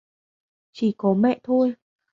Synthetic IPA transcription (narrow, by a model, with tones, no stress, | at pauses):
t͡ɕi˧˩kɔ˨˦mɛ̰˧˨t̪ʰo˧j